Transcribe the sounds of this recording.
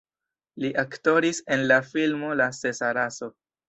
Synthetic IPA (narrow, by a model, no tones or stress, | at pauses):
liʔakto̞ɾise̞nlafilmo̞lase̞saɾaso̞